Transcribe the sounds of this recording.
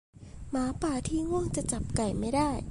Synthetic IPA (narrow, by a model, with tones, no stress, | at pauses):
maː˨˩˦paː˨˩t̪ʰiː˥˩ŋu˥˩əŋt͡ɕa˨˩t͡ɕa˨˩p̚ka˨˩jma˥˩jdaː˥˩j